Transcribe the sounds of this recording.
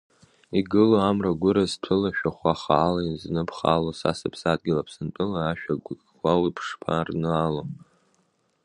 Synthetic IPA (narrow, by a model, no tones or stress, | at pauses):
iɡɨloamraɡʷʊɾaztʷʰɨlaʃᶣaχʷaχaːlaiznɨpʰχa̰losa̰sɨpʰsad̚ɡʲɪlapʰsɨnt͡pʼɨlaaʃᶣa | ɡʷawipʰʂpʰa̰rnɨalo